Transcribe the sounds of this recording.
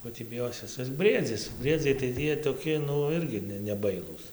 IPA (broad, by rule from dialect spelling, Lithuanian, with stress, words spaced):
ˈkoː tʲiː bʲɪˈjoːsʲɪs ˈɪs ˈbʲrʲiɛd͡zʲɪs ˈbʲrʲiɛd͡zʲɛɪ tɐɪ ˈjiɛ toːˈkʲɪ ˈnʊ ˈɪrʲɡʲɪ ˈnʲɛ nʲɛˈbɐɪlˠuːs